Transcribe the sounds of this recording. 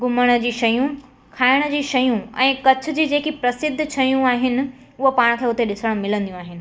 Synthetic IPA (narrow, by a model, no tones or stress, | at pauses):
ɡʊməɽ̃ə̆d͡ʑiːʃɐjũ | kʰaːɪɽ̃ə̆d͡ʑiːʃɐjũɛ̰̃ːkɐt͡ɕʰʊ̆d͡ʑiːd͡ʑeːkipɾɐsɪd̪ʱːt͡ɕʰɐjũaːɦɪnɪ̆ | ʊɦopaːɽ̃kʰeːʊt̪eɗɪsəɽ̃mɪlə̃nd̪ijũaːɦɪnɪ̆